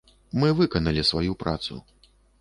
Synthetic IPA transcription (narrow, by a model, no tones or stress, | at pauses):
mɨvɨkɐnɐlʲisvajupɾat̪sṵ